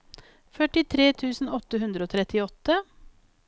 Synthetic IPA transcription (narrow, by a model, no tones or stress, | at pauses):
fœʈɪt̪ʰɾeːt̪ʰʉːsn̩ɔt̪əhʉnd̪ɾəoːt̪ʰɾɛt̪ɪɔt̪ə